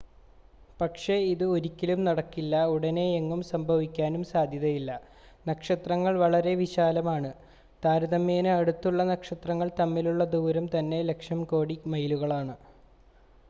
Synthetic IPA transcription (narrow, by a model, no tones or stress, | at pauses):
pɐkʂe̞iðɨoɾikʲːɐlumnɐɽɐkːilːɐuɽɐne̞ːŋːumsɐmbʱɐʋikʲːaːnumsaːd̪ʱjɐðɐjilːɐ | nɐkʂɐt̪rɐŋːɐɭʋɐɭɐɾe̞ʋiɕaːlɐmaːɳɨ | t̪aːɾɐðɐmːeːnɨɐɽut̪ːuɭːɐnɐkʂɐt̪rɐŋːɐɭt̪ɐmːiluɭːɐd̪uːɾɐmt̪ɐnːe̞le̞kʂɐmko̞ːɽimɐjluɣɐɭaːɳɨ